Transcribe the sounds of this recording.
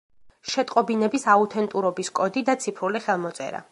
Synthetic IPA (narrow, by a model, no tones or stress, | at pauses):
ʃɛt̪ʼqʼɔbinɛbisaut̪ʰɛnt̪ʼuɾɔbiskʼɔd̪id̪at̪sʰipʰɾuliχɛlˠmɔt̪sʼɛ̰ɾa̰